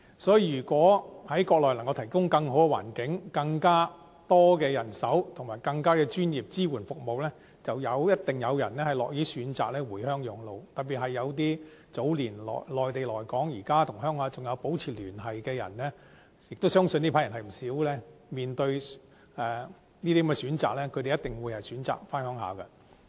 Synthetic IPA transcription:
sɔː˨˥ji˧˨˩jyː˨˩kwɔː˨˥hɐ˨˥jkɔː˧k̚lɔː˨jlɐ˨˩ŋkɐ˧wt̪ʰjkʊ˥ŋkɐ˧ŋɦo˨˥wkɛ˧wa̰ː˨˩nkɪ˨˥ŋkɐ˧ŋkaː˥ | t̪ɔː˥kɛː˧jɐ˨˩nsɐ˨˥wt̪ʰʊ˨˩ŋmaː˨˩jkɐ˧ŋkaː˥kɛː˧t͡ʃyː˥njiː˨p̚t͡siː˥wuː˨˩nfʊ˨k̚mo˨wlɛː˥ | t͡sɐ˨wjɐ˨˧wjɐ˥t̚t̪ɪ˨˩ŋjɐ˨˧wjɐ̰˨˩nɛː˥hɐ˨jlɔː˨k̚jiː˨˥syː˨˧nt͡sa̰ː˨k̚lɛː˥wuː˨˩jhœː˥ŋjʊ˨˧ŋlo˨˧wt̪ɐ˨p̚p̬ːiː˨t̚hɐ˨jːɐ˨˧wt̪̬iː˥ | t͡so˨˥wliː˨˩nlɔ̰ː˨lɔː˨˩jt̪e˨jlɔː˨˩jkɔː˨˥ŋjiː˨˩kaː˥t̪ʰʊ˨˩ŋhœː˥ŋhaː˨˧˥t͡sʊ˨ŋjɐ˨˧wpo˨˥wt͡sʰiː˨˩lyː˨˩nɦɐ˨jkɛː˧jɐ̰˨˩nlɛː˥ | jɪ˨k̚t̪o˥wsœː˥ŋsɵ˧ni˥pʰa˨˥jɐ˨˩nhɐ˨jm̩˨˩siː˨˥wlɛː˥miː˨nt̪ɵ˧ɥ | ɛː˨˩ | niː˥t̪i˥kmːɛ˧syː˨˥nt͡sa̰ː˨k̚lɛː˥kʰte˨jɐ˥t̪ɪ˨ŋwu˨˧jhɐ˨jsyː˨˥nt͡sa̰ː˨k̚faː˥nhœː˥ŋɦa̰ː˨˧kɐ˧

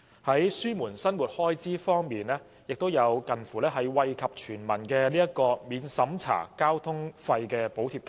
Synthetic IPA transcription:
hɐ˨˥jsyː˥muː˨˩nsɐ˥nmuː˨t̚hɔː˥jt͡siː˥fɔː˥ŋmiː˨nlɛː˥ | jɪ˨k̚t̪o˥wjɐ˨˧wkɐ˨˩nfuː˨˩lɛː˥ɦɐ˨jwɐ˧jkʰɐ˨p̚t͡ʃʰyː˨˩nmɐ˨˩nkɛː˧niː˥ɐ˥kɔː˧miː˨˧nsɐ˨˥mt͡sʰa̰ː˨˩kaː˥wt̪ʰʊ˥ŋfɐ˧jkɛː˧po˨˥wt̪ʰiː˧p̚ka˨

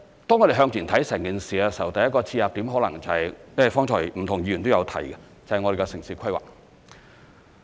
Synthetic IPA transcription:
t̪ɔː˥ŋɔː˨˧d̪e˨˩ɦœː˧ŋt̪iː˨˩nt̪ʰɐ˨˥jsɛː˨˩ŋkiː˨nsiː˨a˧sɐ˨˩wt̪ɐ˨jːɐ˥kɔː˧t͡sʰiː˧jaː˨p̚t̪i˨˥mɦɔː˨˥lɐ˨˩ŋt͡sɐ˨˩hɐ˨jjɐ˥˨˩fɔː˥ŋt͡sʰɔː˨˩jm̩˨˩t̪ʰʊ˨˩ŋjiː˨˧˩yː˨˩nt̪o˥jɐ˨˧wt̪ʰɐ˨˩jɡɛ˧ | t͡sɐ˨hjŋɔ˨˧de˨jɡɛ˧sɪ˨˩ŋsi˨˧kʰɐ˥jwa̰ː˨k̚

